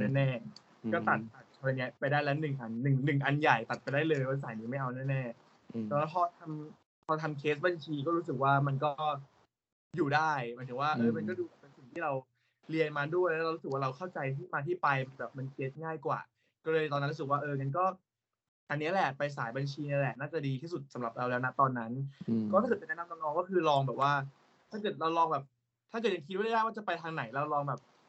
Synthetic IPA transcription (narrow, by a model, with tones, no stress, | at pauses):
nɛː˥˩nɛː˥˩ | kɔː˥˩t̪a˨˩t̪̚t̪a˨˩t̪̚t͡ɕʰɔː˧ni˦˥ɐpa˧jdaː˥˩jlɛː˦˥wnɯ˨˩ŋʔa˧nːɯ˨˩ŋnɯ˨˩ŋʔa˧nja˨˩jt̪a˨˩t̪̚pa˧jdaː˥˩jlɤː˧jwaː˥˩s̬aː˩˦jniː˧˦ma˥˩jʔa˧wnɛː˥˩nɛː˥˩ | ɔː˨˩ɾlɛ˦˥pʰɔː˧t̪ʰa˧m | pʰɔː˧t̪ʰa˧mkʰeː˦˥s̚ba˧nt͡ɕʰiː˧kɔː˥˩ɾuː˦˥s̬ɯ˨˩k̚waː˥˩ma˧nkɔː˥˩˥ | juː˨˩daː˥˩jmaː˨˦jtʰɯ˩˦ŋwaː˥˩ʔɤː˧ma˧nkɔː˥˩duː˧ka˨˩pe˧nsi˨˩ŋt̪ʰiː˥ɾa˧w | li˧ənmaː˧du˥˩əjlɛ˦˥ɾa˧ɾu˦˥sk̚waː˥ɾa˧wkʰa˥˩wt͡ɕa˧jt̪ʰiː˥˩maː˧t̪ʰiː˥˩pa˧jma˧nbɛː˨˩p̚ma˧nt͡ɕeː˦˥t̪̚ŋaː˥˩jkwa̰ː˨˩ | kɔː˥˩lɤː˧t̪ɔː˧n˧˦˥nɾu˦˥sɯ˨˩kwaː˥˩ʔɤː˧ka˧nkɔː˥˩ | ʔa˧nːi˦˥ɐlɛ˨˩pa˧js̬aː˩˦jba˧nt͡ɕʰiː˧na˧˥lɛ˨˩naː˥˩t͡ɕa˨˩diː˧t̪ʰiː˥˩su˨˩t̪̚sa˩˦mɾa˨˩p̚ɾa˧wlɛː˦˥wna˦˥t̪ɔː˧nːa˦˥nɔ˧˦˥t̪ʰa˥˩ɤː˨˩pnɛ˥na˧na˧ŋnɔː˧ŋkɔː˥˩kʰɯː˧lɔː˧ŋbɛː˨˩p̚waː˥˩ | t̪ʰaː˥˩kɤː˨˩t̪̚ɾa˧wlɔː˧ŋbɛː˨˩p̚ | t̪ʰaː˥˩kɤ˨˩t̚ja˧ŋkʰi˦t̪̚wja˥˩wa˥˩t͡ɕa˨˩pa˧jt̪ʰaː˧ŋna˩˦jlɛː˦˥wa˧wlɔː˧ŋbɛː˨˩p̚